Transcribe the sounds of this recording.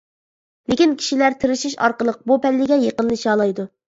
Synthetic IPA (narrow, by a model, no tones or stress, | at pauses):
lɪkʲinkʲʰi̥ʃilæɾt̪ʰɪɾɪʃiʃɑ̰ɾqəlˠəq̚bupɛlːɪɡʲɛjeqənlɨʃɑːlˠɑjd̪u